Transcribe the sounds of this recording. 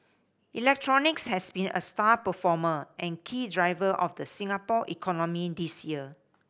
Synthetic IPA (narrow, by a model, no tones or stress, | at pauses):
ʔilɛk̚tʰɹɔnɪkshɛsbĩnə̰stapəfɔməʔɛ̃nkʰiːdɹaɪvəʔɔfdəsĩŋapɔʔḭkʰɔnɔmidisjiə